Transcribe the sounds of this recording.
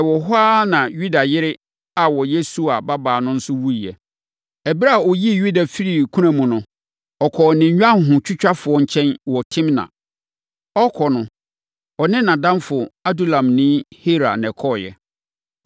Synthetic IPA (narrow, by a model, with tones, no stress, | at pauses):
ɛ˨wɔ˨ɦʊ˦aː˦nã˨ju˦da˨jɪ˦ɾɪ˦ | a˨wɔ˨je˦su˨a˨ba˦baː˨nʊ̃˦n̩˦sʊ˦wu˦˨ɛ˨ | ɛ˨bi˦ɾa˦a˨ɔ˨ji˦˨ju˦da˨fi˦ɾi˨kʰũ˦ɾã˨mũ˨nʊ̃˨ | ɔ˨kʰɔ˨nɪ̃˨˦ɲᶣ˦ã˦˨ɦʊ̃˨t͡ɕʰᶣʊ˦t͡ɕᶣa˦fʊ˨ɔ˨ɲ̩˨t͡ɕʰɛ̃˦nwɔ˨tʰɪ̃˦mnã̰˨ | ɔ˦kʰɔ˨nʊ̃˨ | ɔ˨nɪ̃˦nã˨dã˦nfʊ˨a˦du˦˨lã˨mnĩ˦he˦ɾa̰˨nɛ̃˨kʰɔ˦jɛ̰˨